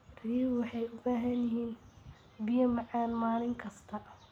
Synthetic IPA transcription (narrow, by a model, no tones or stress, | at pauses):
riːwɑħɑjʊbaːɦɐnjɪɦiːn | bɪjɐmɑʕɑːnmaːlɪŋkʰɐst̪ʰɐ